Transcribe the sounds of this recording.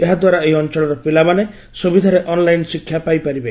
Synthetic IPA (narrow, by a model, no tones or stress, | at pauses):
eɦad̪waɾaeɦiɔnt͡ʃɔɭɔɾɔpilamane | sobid̪ʱaɾeʔɔnlajnsikʰːjapajpaɾibe